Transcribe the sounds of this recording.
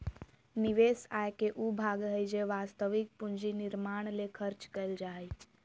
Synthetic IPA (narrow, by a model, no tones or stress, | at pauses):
niʋeːsaːjkeʔubʱaːɡɦəjd͡ʒeʋaːst̪əʋik̚puɲd͡ʒinɪɾmaːɳ̃lekʰəɾt͡ʃkəjld͡ʒaːj